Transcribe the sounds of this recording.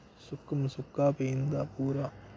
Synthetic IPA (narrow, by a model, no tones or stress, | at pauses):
sʊkːɐmsukːaːpejnd̪aːpuːɾaː